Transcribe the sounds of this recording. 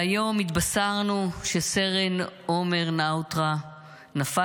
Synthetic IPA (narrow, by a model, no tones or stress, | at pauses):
ajo̞mit̪basaʁnuʃeseʁenome̞ʁnawt̪ʁa | nafa